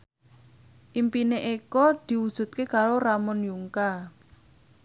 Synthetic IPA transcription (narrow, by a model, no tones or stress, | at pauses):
ʔimpineʔekɔd̪̥i̤wud̥ʒ̥ṳt̪̚kekaɾoɾamɔnjuŋka